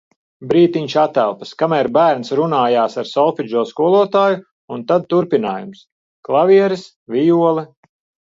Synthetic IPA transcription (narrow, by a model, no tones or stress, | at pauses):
bɾiːt̪iɲʃat̪ælˠpɐ̥skamæɾbæːɾnsɾunaːjaːsaɾsɔlˠfid͡ʒuːskuɔlˠuɔt̪aːju | unt̪ad̪̚t̪uɾpina̰ːjums | klˠaviɛɾis | vʲijuɔlˠɛ